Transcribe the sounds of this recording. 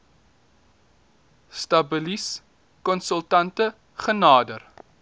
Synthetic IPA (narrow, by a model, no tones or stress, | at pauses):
stɐbəlis | kɔnsəlˠtɐntə | χənɑːdər